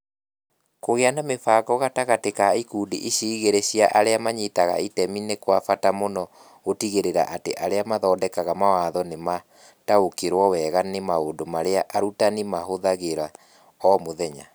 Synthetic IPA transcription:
koɣeanamefaːkɔɣataɣatekaikuːdiʔiɕiːɣeɾeɕiaʔaɾeamaɲitaɣa̰itɛminekwafatamonɔ | ɣotiɣeɾeɾa̰ʔateʔaɾeamaðɔːdɛkaɣamawaðɔnema | taokeɾwɔwɛɣanemaondomaɾeaʔaɾutanimaɦoðaɣeɾa | ɔmoðɛɲa

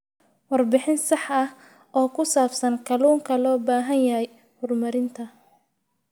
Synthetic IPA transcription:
wɑrbɪħɪnsɑħɐh | ʔɔːkʰʊsaːbsɐŋkʰɐluːŋkʰɐlɔːbaːɦɐnjɐɦɛj | hʊrmɐɾɪnt̪ʰɐ

